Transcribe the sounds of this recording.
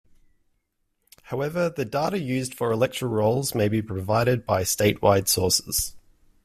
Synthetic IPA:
haʊɛvəðədɑˑɾəjʉːzd̥fəɹɪlɛk̚tɹ̥əɹɔʊlˠzmeɪbipʰɹ̥əvaɪɾɪd̚baɪsteɪʔwaɪd̥sɔˑsɪ̥z̥

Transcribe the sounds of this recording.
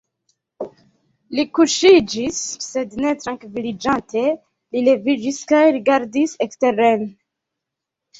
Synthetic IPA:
likuʃid͡ʒisːe̞dne̞tɾaŋkvilid͡ʒantʰe̞ | lile̞vid͡ʒiskajɾiɡaɾdisekste̞ɾen

